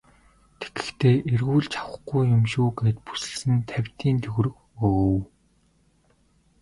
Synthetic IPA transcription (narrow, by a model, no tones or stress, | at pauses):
t̪ʰe̥ɡɘ̆xt̪ʰeːʔerɣuːɮt͡ɕʰḁwə̆χɡujːʊmʃuːɡeːt̪̚pu̥sɘ̆ɮsɘ̆nt̪ʰæwʲt̪iːnt̪ʰɵɣɵrɵ̆x | ow